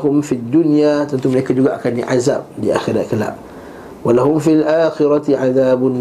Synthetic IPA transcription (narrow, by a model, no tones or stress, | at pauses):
ɦʊmfid̪ːunjat̪ant̪uməlekad͡ʒuɡaʔakandḭʔaza̰b̚diʔa̰xiɾakəla̰ʔ | walaɦʊmfilʔaːxɪɾat̪iʕaðaːbʊn